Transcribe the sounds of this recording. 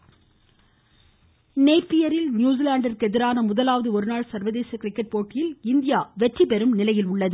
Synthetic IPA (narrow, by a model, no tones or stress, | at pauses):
neɪpːɪjɐɾɪlnjuːzɪlaːɳɖɐrkɯɛðɪɾaːnɐmʊðɐlaːʋɐðɯɔɾɯnaːɭsɐɾʋɐðeːsɐkɪɾɪkːɐʈ̚poːʈːɪjɪlɪnd̪ɪjaːʋɛʈripɛɾɯmnɪlɐjɪlʊɭːɐðɯ